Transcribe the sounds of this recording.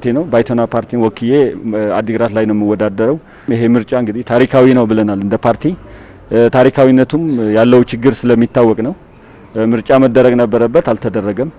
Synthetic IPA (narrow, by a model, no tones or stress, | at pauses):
t̪ʰinəwbajt̪ʰonapʰaɾt̪ʰinwɔkʰːijead̪iɡɾat̪lajnəɛmːɨwːɔd̪ad̪ːəɾəw | jɪɦe̞mɨɾt͡ʃʼaɨŋɡɨd̪iht̪ʰaɾikʰawinəwbɨlənalɨnd̪əpʰaɾt̪ʰi | t̪ʰaɾikʰawinːət̪ʰumjalːəwut͡ʃɪɡːɨɾsɨləmːit̪ʰːawːɔkʼnəw | mɨɾt͡ʃʼaməd̪ːəɾəɡnəbːəɾəbːət̪alt̪ʰəd̪ərːəɡəm